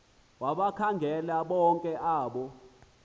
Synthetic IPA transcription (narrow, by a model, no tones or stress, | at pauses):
waɓakʰaŋɡʱɛlaɓɔŋkʼɛʔaːɓɔ